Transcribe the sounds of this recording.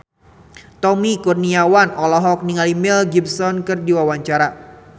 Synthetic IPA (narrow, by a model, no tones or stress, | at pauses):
t̪ɔmikurniawanɔlɔɦɔk̚niŋalimilɡibsɔnkɨrdiwawaɲt͡ʃaɾa